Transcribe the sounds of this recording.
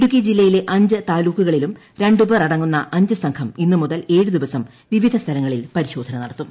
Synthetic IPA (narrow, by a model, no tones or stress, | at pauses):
ɽukːid͡ʑilːɐjile̞ʔɐɲd͡ʑɨt̪aːluːkːuɣɐɭilum | ɾe̞ɳɖubɐrɐɽɐŋːunːɐʔɐɲd͡ʑɨsɐŋkʰɐminːɨmuðɐle̞ːɻud̪iʋɐsɐm | ʋiʋid̪ʱɐst̪ʰɐlɐŋːɐɭilpɐɾiɕo̞ːd̪ʱɐnɐnɐɽɐt̪ːum